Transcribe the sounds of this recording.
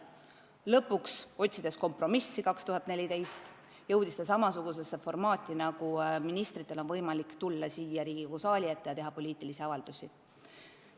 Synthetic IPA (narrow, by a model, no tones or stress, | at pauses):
lɤpːˑukso̞t̪ʲsid̪̥e̞sko̞mpro̞misːikɑkst̪uhɦɑt̪ːˑnelʲit̪e̞jst̪ | jɤ̞wd̪ist̪es̬ɑmɑsuɡ̥us̬e̞sːefo̞rmɑːt̪ʲːˑinɑɡuminist̪ɾit̪ˑːe̞lo̞nvɤ̞jmɑlikt̪ulːɑsiːjɑɾiːɡiusɑːlʲiet̪ːˑejɑt̪e̞ɦɑpo̞lʲiːt̪ːˑilisiɑvɑld̪̥usʲi